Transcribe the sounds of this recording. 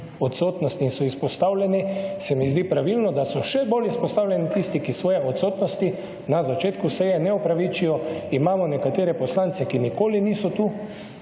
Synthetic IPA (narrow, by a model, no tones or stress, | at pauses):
ɔt̪soːt̪nɔst̪insɔispɔst̪aːwlʲɛnisɛmizd̪ipɾaʋilnɔd̪asɔʃɛbolispɔst̪aːwlʲjɛnit̪ist̪ikisʋɔːjɛʔɔt̪soːt̪nɔst̪i | nazat͡ʃeːt̪kusɛjɛnɛɔpɾaʋiːt͡ʃijɔimaːmɔnɛkat̪eːɾɛpɔslant̪sɛkinikoːliniːsɔt̪u